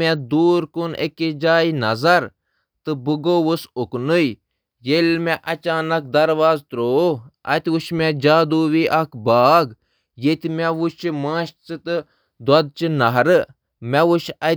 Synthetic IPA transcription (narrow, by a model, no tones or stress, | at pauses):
mɛd̪uːɾkunḛkid͡ʒaːinɐzɐɾ | t̪ɨbuɡoːʋusʊknuj | jelmɛ̃ʔɐt͡ʃaːnɐk̚d̪ɐɾʋaːzt̪ɾoːɐ̰t̪uʃmɛ̃d͡ʒaːd̪uːʋiʔɐkbaːɡ | jet̪imɛʋut͡ʃimãːʃt͡sɨt̪ɨ | d̪wɐd̪̚t͡ʃinɐɦɾɨ | mɛʋuʃɐ